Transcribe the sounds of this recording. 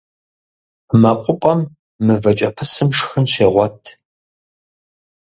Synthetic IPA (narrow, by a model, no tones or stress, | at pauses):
mɐqʷʼʊpʷʼɐmː | ɨvɐt͡ʃʼɐpʰɨsɨmʂxɨnɕeːʁʷɔtʰ